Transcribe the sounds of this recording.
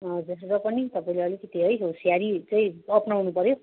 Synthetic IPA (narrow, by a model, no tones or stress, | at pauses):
ʌd͡zʌsrɾʌpʌnit̪ʌpaĩleʌlikʌt̪iɦʌjɦosjaɾit͡sʌĩʌpnawnupʌɾjo